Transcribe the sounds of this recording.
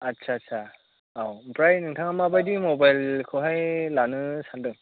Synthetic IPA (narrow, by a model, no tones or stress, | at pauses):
atsʰaːtsʰa | awmpɾajnɯŋtʰaŋamabajdimɔbajlkʰɯɦajlanɯsandɯŋ